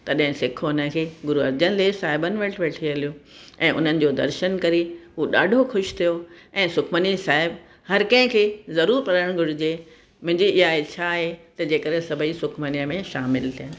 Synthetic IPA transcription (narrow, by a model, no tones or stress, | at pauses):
t̪ɐɗɦɪ̃sɪkʰoʊnəkʰeːɡʊɾuɐɾd͡ʑənɪ̆lesaːɦɪbənɪ̆ʋɐʈʰʋeːʈʰiəlijoɛ̃ːʔʊ̰n̤ənɪ̆d͡ʑoːd̪ɐ̰ɾʃənkɐɾiɦuːɗaːɖʱoxʊʃt̪ʰijoɛ̃ːsʊkʰmənisaːɦɪb | hɐɾkɐ̃ɦɪ̃kʰeːzɐɾuːɾpɐɾəɽ̃ɡʱʊɽʱɪd͡ʑe | mʊ̃ɦɪ̃ɲd͡ʑiɪɦaet͡ɕʰaɦet̪ɐd͡ʑeːkəɗɦẽsɐbʱəisʊkʰməniəmẽʃaːmɪlt̪ʰija